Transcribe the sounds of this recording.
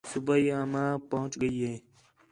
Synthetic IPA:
sʊbaːiːamãːpəɦʊ̃t͡ʃɡəiːɦeː

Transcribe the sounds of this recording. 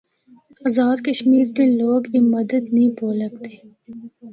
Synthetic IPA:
ɐzaːd̪kɐʃmiːɾkeloːɡjemɐd̪əd̪nɐĩpoːlək̚t̪eː

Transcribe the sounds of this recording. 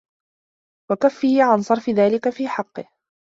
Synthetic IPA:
wakafːiːʕansˤɑɾˤfɪðaːlɪkafiːħɑqːɨh

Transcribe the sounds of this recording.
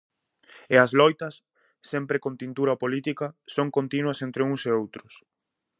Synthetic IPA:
eɐzlɔjt̪ɐsː | empɾɪkont̪int̪uɾɐpolit̪ikɐsoŋkont̪inwɐsent̪ɾeuŋseowt̪ɾʊs

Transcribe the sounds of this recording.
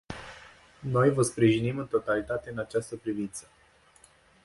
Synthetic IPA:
no̞jvəspɾiʒinimɨnt̪o̞t̪alit̪at̪e̞ɨnat͡ʃast̪əpɾivint̪sə̥

